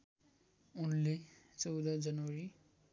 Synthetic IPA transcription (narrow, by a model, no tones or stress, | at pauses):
unlet͡sʌwd̪ad͡zʌnwʌɾi